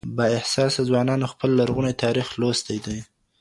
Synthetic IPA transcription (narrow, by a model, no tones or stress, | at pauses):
bɑɪhsɑsazwɑnɑnoxpəlːaɾɣunajt̪ʰɑɾixlost̪ajd̪aj